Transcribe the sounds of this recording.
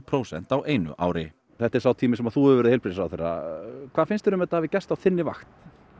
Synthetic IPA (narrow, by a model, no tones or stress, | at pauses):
pʰɾowsɛ̰n̥t̪aweːjnʏ̰ʔa̰ːwɾɪ | θɛht̪ɛɾ̥sawt̪ʰiːmɪsɛmaðθuʏɾvɛɾðejlpɾisawθejrːa̰kʰvaːðfɪnst̪ɛɾʏmɛt̪ːahavɪcɛst̪awθɪnːɪva̰xt̪n̥